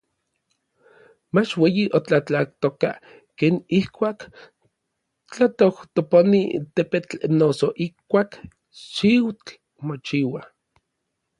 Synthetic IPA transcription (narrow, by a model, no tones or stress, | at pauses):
mat͡ʃweːjiʔot͡ɬat͡ɬak̚t̪oka | keːnihkʷaːk | t͡ɬat̪oht̪oponḭt̪epet͡ɬnosoʔihkʷaːk | ʃiwt͡ɬ | mot͡ʃiːwa